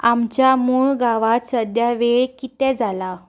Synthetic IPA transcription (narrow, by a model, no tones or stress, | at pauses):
amt͡ɕjamuɭɡaʋat̪səd̪jaʋeɭkit̪ɛ̃d͡zʱala